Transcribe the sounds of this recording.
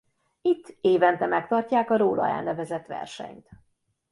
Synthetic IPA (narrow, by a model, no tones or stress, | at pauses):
it̪ʰːeːvɛnt̪ɛmɛkt̪ɒrcaːkɒɾoːlɒ̰ja̰ːnɛvɛzɛt̪ʋɛ̰rʃɛ̰ɲt̪